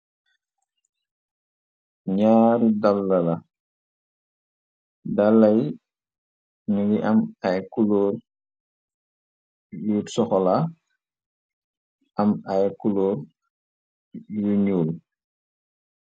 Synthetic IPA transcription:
ɲaːɾidalːɐlɐ | dalːɐj | nuɡiʔɐmajkulɔːɾ | jutsɔxɔla | ɐmajkulɔːɾ | juɲuːl

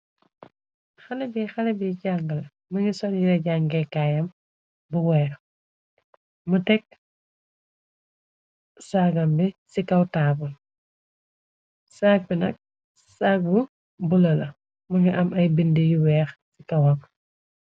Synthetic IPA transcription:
xɐlɛbixɐlɐbiɟaːŋɡɐlɐ | mɐŋisɔnjiɾɐɟaŋɡɛkaːjɐm | buwɛːɾ | mutɛk̚ | saːɡɐmbisikɐwtaːbul | saːk̚binɐ̰k̚ | saːk̚bu | bulɐlɐ | mɐŋɡɐʔɐmɐjbindejuwɛːxsikɐwɐm

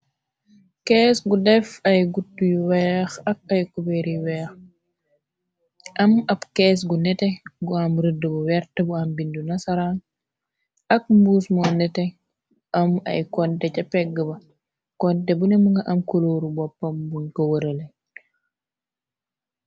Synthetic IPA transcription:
kɛːsɡudɛfɐjɡutːujwɛxɐk̚ɐjkubeɾiwɛːx | ʔɐmɐpkɛːs̬ɡunɛtɛɡuamɾədəbuwɛɾtɐbuambindunɐsaɾaŋ | ɐk̚mbuːsmonɛtɛ | ʔɐmɐ̰jkɔntɛcɐpɛɡəbɐ | kɔntɛbunɛmuŋɡaʔɐmkoloːɾubɔpːɐmbuŋkowɐɾɐle

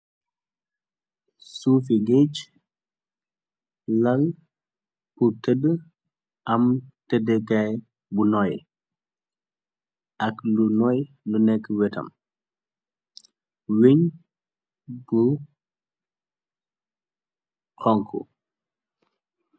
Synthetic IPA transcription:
suːf̬iɡet͡ʃ | lɐl | putədə | ʔɐmtədɛkɐj | bunɔj | ɐklunɔj | lunɛkːəwɛtɐ̰m | weɲ | bu | kɔŋkʰːṵ

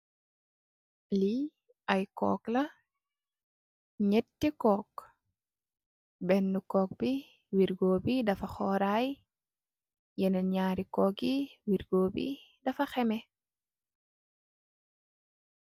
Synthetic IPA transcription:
li | ʔɐjkɔ̰ːklɐ | ɲɛtːikɔːk | bɛnːukɔːk̚bi | wiɾɡoːbidɐfɐxɔːɾaj | jɛnɐɲaːɾikɔːk̚iwiɾɡoːbḭ | dɐfɐxɛmɛ

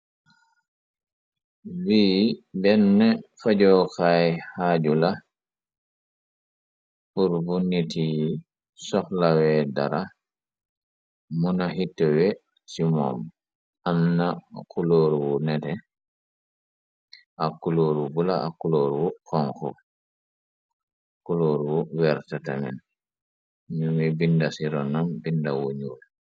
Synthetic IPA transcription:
wiːbɛnːɛfaɟɔːkajhaːɟula | puɾbuniti | sɔxlawɛda̰ɾa | munahitːɔwɛ | simɔ̰m | amnakʰuloːɾwunɛtɛ | akːuloːɾubulaakːuloːɾwuxɔŋxɔ̰ | kuloɾwuwɛɾtatamɛ̰n | ɲumibindasiɾɔnambindawuɲuːl

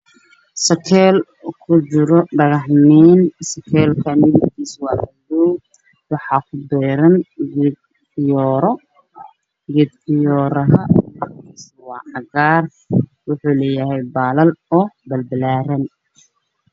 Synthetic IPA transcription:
sɐkʰɛːl | kʰʊt͡ʃɪɾɔɖɐɣɐħniːnsɐkʰɛːlkʰɐmɪðɪk̪ʰiːswɑːʔɐduw | wɑħɑːkʰʊd̪ɛːɾɐnɡɛd̪ | ɪjɔːɾɔ | ɡɛːd̪ʕɪjɔːɾɐɦɐis | wɑːʕɑɣaːr | wʊħuːlɛːjɐɦɛjbaːlɐlɔːbɐlbɐlaːɾɐn

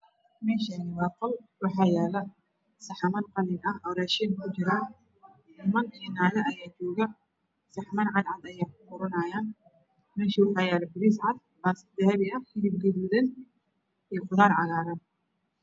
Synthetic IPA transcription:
mɛːʃanɪwɑːqɔlwɑħɑːjɛːlɐ | sɐħɑmɐnqɑlɪnɐhʔɔwɾɛːʃinkʰʊt͡ʃɪɾaːn | ɪmɐnkʰɛnaːlɛɐjaːt͡ʃɔːɣɐ | sɑħmɐnʕɑd̪ʕɑd̪ɐjaːkʰʊ̥qʊɾɐnɐjaːn | mɛːʃiːwɑħɑːjɛːlɐbɪɾisʕɑd̪̚ | baːsd̪ɐhɛβɪɐhɪlib̚ɡɐðuːðɐn | ɛːqʊðaːɾʕɑɣaːɾɐn

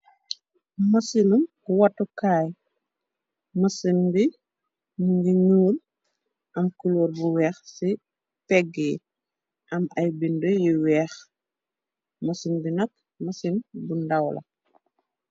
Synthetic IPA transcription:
mɐsinum | wɐtːukaːj | mɐsindi | muŋɡiɲuːl | ʔɐmkulɔːɾbuwɛːxsi | pɛɡi | ʔɐmɐjbindɔjiwɛːx | mɐsinbinɐk̚ | mɐsinbundɐwlɐ̰

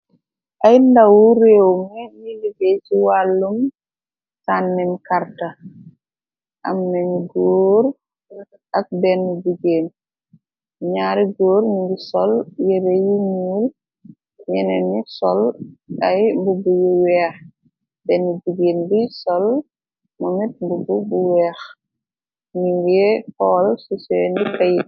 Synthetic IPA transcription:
ʔajndawuɾewmɛniliɡet͡ʃiwalːum | sanːɛmkaɾta | ʔa̰mnɛnɡoːɾ | ʔak̚bɛnːud͡ʒiɡeːn | ɲaːɾiɡoːɾmiɡisɔljɛbejiɲuːl | ɲɛnɛnisɔlɐjmbubujuwɛːx | b̥ɛnːud͡ʒiɡeːnbisɔl | mɔmit̚mbububuwɛːx | ɲiŋɡɛhɔːlsusɛːndikɐjit

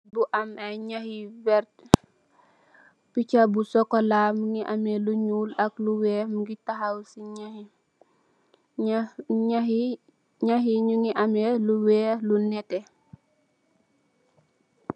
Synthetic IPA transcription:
buʔamajɲahiwɛɾt | picabusɔkɔlamuŋiʔamɛluɲuːlɐkluwɛːmuɡitaɦawsiɲahi | ɲai | ɲaɦiɲuŋiʔamɛluwɛːlunɛtɛ

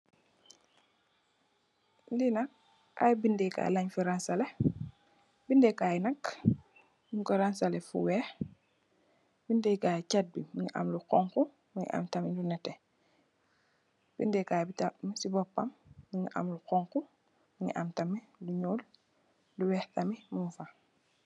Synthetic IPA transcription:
dinak̚ | a̰jbindɛka̰jlaɲfuɾansalɛ | bindekajnɐk | biŋkɔɾansalefṵwɛx | bindɛkaːcat̚bimiŋiʔa̰mluqɔŋku | miŋḭʔa̰mtamilunɛtɛ | b̥indɛkajbitamisibɔpːamːiŋiʔa̰mluqɔŋku | miɲḭʔa̰mtamiluɲuːl | luwɛhtamimumfa

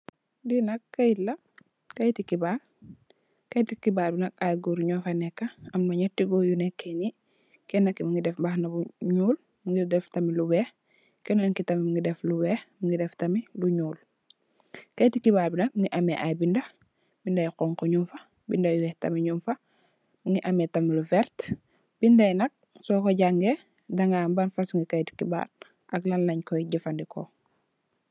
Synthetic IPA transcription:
dinɐkːɐilːɐ | kɐjtikibal | kɐjtikibaːlbinɐk̚ajɡuɾɲɔːfanɛkːɐɐmnɐɲɛtːiɡɔjunɛkːeni | kɛnɐkːimiŋɡidɛfbaxnɐbuɲuːl | miŋɡidɛftɐmilubɛːx | kɛnaŋkitɐmimiŋɡidɛflubɛːxmiŋɡidɛftɐmiluɲuːl | kɐjtikibaːɾbinɐk̚ŋiʔamɛʔajbindɐ | bindɐjqɔŋkɔɲumfɐ | bindɐjwɛhtɐmiɲumfɐ | muŋɡiʔɐmetɐmiluvɛɾt | b̥indɐjnɐk̚ | sɔkɔɟaŋɡe | dɐŋɡaːmbanfasuŋɡikɐjti̥kiba̰ɾ | ʔɐklɐnlɐɲkɔjɟifɐndikʰɔ̰

